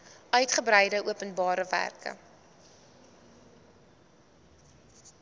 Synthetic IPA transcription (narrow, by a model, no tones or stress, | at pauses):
œɥtχəbɾɛjdəʔuəpənbɑːɾəvæ̰rkə̰